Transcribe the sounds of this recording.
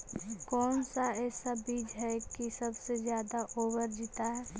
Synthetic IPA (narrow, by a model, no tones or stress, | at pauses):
kɔːnsaɛːsabiːd͡ʒɦɛkisɐbsezjaːd̪aʔoːbəɾd͡ʒit̪aɦɛː